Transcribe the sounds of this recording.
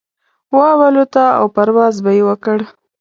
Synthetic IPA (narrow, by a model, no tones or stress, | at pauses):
wɑwalot̪aa̰wpaɾwɑzbajewəkəɽ